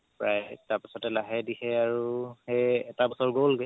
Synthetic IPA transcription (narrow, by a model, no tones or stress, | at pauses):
pɹajtaɹpisɔtɛlaɦɛdihɛaɹuheɛtabɔsɔɹɡolɡɛ